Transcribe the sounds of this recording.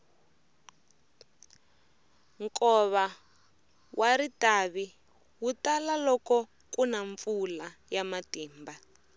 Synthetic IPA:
ŋkɔβa | wʔaɾitaβi | wutalalɔkɔ | kunaɱfulajamatiːmba

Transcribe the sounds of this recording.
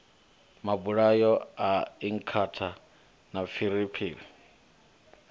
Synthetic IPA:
mabuɺajɔaiŋ̩kʰatʰa | nafiɾipʰiːli

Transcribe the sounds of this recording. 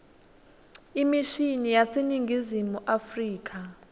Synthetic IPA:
imiʃinijaseniŋɡʱizimuʔafriːk̬ʰʼa

